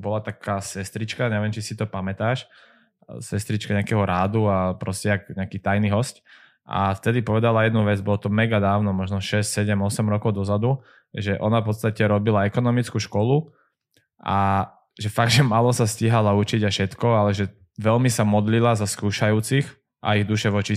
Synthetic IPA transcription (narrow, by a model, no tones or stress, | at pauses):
bɔlat̪akaːsɛst̪ɾit͡ʃkaɲɛʋɪɛmt͡ʃisit̪ɔpamɛt̪aːʃ | sɛst̪ɾit͡ʃkaɲɛakɛɦɔɾaːd̪uapɾɔscɛakɲɛakiːt̪ajniɦɔsc | ʔa̰ft̪ɛd̪ipɔʋɛd̪alajɛd̪nuʋɛd͡zbɔlɔt̪ɔmɛɡad̪aːʊnɔmɔʒnɔʃɛscʲsɛɟɛmɔsɛmɾɔkɔʊd̪ɔzad̪u | ʒɛʔɔnafpɔt̪st̪acɛɾɔbilaɛkɔnɔmit͡skuʃkɔlu | ʔa̰ | ʒɛfaɡ̪̚ʒɛmaːlɔsasciɦalaut͡ʃiɟaʃɛt̪kɔalɛʒɛ | ʋɛlmisamɔd̪lilazaskuːʃajuːt͡six | ʔa̰iɣd̪uʃɛʋɔt͡ʃi